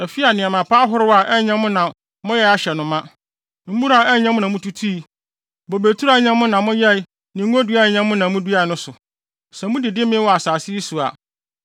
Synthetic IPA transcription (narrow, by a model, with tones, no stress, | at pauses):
æ˨fi˦a˨nɪ̃˨a˨mã˨pʰa˦ɦʊ˦ɾɪ˦wa˨ʔɛ˦ɲã˦mʊ̃˦nã˨ | mʊ̃˦jɛ˦a˦ɕɛ˨nʊ̃˨mã˦ | m̩˦mũ˦ɾa˨ɛ˦ɲã˦mʊ̃˦nã˨mʊ̃˦tʰu˦tʰi˦i˨ | bo˨be˨tʰu˦ɾa˨˦ɲã˦mʊ̃˦nã˨mʊ̃˦jɛ˦ | nɪ̃˨ŋ˦o˦du˦a˦˨ɲã˦mʊ̃˦nã˨mũ˦du˦a˨nʊ̃˦sʊ˨ | sɛ˨mʊ̃˦dɪ˨dɪ˦mɪ̃˦wɔ˨a˨saː˨sɪ˦i˦su˨a̰˨